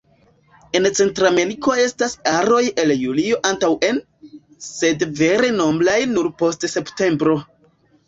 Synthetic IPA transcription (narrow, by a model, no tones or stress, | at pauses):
e̞nt͡se̞ntɾame̞ɾiko̞e̞stasaɾo̞je̞ljulio̞ʔantawʔe̞n | se̞dve̞ɾe̞no̞mblajnuɾpo̞stse̞pte̞mbɾo̞